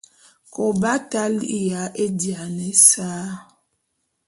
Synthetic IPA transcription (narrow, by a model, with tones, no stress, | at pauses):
kɔ˨ba˦ta˦li˨ja˨˦ʔe˦dja˨nɛ˨˦saː˦